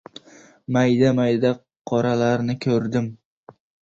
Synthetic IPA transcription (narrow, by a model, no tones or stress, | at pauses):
majd̪amajd̪a | qʰɒɾalaɾnɪkʲʰɵɾd̪ɪm